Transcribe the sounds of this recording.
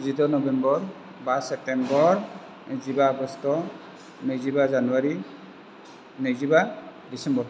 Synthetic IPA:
zidɔnɔbɛmbɔɾ | basɛp̚tɛmbɔɹ | zibaɔɡɔstɔ | nejzibazanuwaɾi | nɯjzibadisɛmbɔɹ

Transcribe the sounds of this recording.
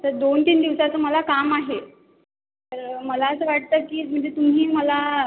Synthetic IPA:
t̪əɾd̪ont̪iːnd̪iʋsat͡səːməlakamaɦe | t̪əɾməlaəsəːʋaʈ̚t̪əːkiːm̤əɳd͡zet̪um̤ɦiːməla

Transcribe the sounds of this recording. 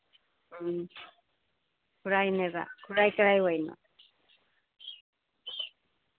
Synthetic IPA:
kuɾajneβa̰kuɾajkaɾajwajno̰

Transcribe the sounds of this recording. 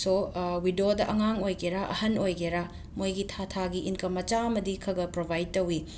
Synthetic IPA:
sowidodɐʔɐŋaŋojɡeɾaʔɐ̰hɐnojɡeɾa | mojɡitʰatʰaɡiinkɐmɐt͡ʃaɐmɐdikʰɐɡɐpɾobʱajd̚tɐwi

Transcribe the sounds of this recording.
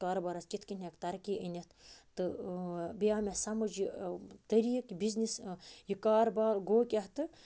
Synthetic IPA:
kaːɾbɐɾɐst͡ʃit̪ʰkinʲekt̪ɐɾkiʔənʲɐt̪t̪ɨ | bijaːmʲesɐmɨd͡ʒit̪ɐɾiːkbiznʲisjikaːɾbaːlɡoːkʲɐht̪ɨ

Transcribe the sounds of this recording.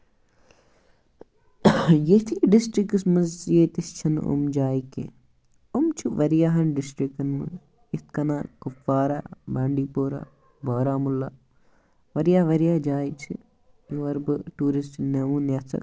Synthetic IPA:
jet̪ʰiːɖɪsʈɾikɐsmɐzjeːt̪ist͡ʃʰɐnṵmd͡ʒaːikḛ | umt͡ʃʰuʋɐɾjaːɦɐnɖɪsʈɾikɐnmɨ̰ | ɪt̪kɐnaːkufaːɾa̰ːbaːɳɖiːpoːɾa̰ː | baːɾaːmulːaː | ʋɐɾijaːʋɐɾijaːd͡ʒaːjt͡ʃʰi | juɐɾbɨʈuːɾisʈnɐʋũːnjɐsʰɐ̰k

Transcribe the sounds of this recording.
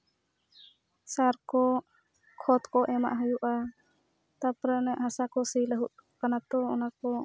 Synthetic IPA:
saɾkɔ | kʰɔt̪kɔʔɛma̰ʔɦɔjuʔa | t̪apɾənɛʔɦasakɔsiləɦuʔ̚kanat̪ɔɔnakɔ

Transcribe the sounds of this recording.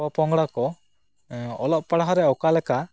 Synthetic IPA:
ɔpɔŋɡɽakɔ | ɔlɔʔ̚paɽaɦɔɾɛɔkalɛka

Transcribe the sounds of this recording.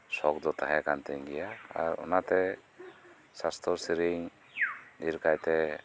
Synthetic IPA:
sɔk̚d̪ɔt̪ʰaɦɛkant̪ɛŋɡijaa̰ɾɔ̰nat̪ɛ | sast̪ʰɔɾsiɾiŋ | d̪iɾkʰajt̪ɛ

